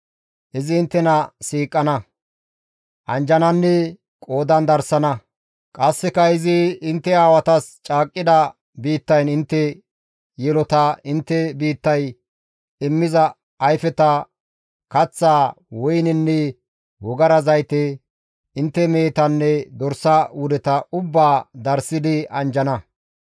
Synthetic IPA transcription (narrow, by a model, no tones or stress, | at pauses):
ʔɪzɪːnt̪ːɛnɐsiːkʼːɐnɐ | ʔɐnd͡ʒɐnɐnːɛ | kʼo̞ːd̪ɐnd̪ɐɾsɐnɐ | kʼɐsːɪkɐɪzɪɪnt̪ːɛaːwɐt̪ɐst͡ʃʼaːkʼːɪd̪ɐ | biːt̪ːɐjnɪnt̪ːɛ | jɛlɔt̪ɐɪnt̪ːɛbiːt̪ːɐj | ɪmːɪzɐː | jfɛt̪ɐ | kɐt͡sːaː | wɔjnɛnːɛ | wɔɡɐɾɐzɐjt̪ɛ | ɪnt̪ːɛme̞ːt̪ɐnːɛd̪ɔɾsɐwʊd̪ɛt̪ɐʊbːaːd̪ɐɾsɪd̪ɪɐnd͡ʒɐnɐ